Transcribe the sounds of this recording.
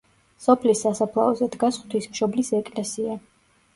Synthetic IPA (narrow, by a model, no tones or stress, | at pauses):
sɔpʰlisːasapʰlˠa̰ɔzɛd̪ɡasχwt̪ʰwismʃɔblisɛkʼlɛsia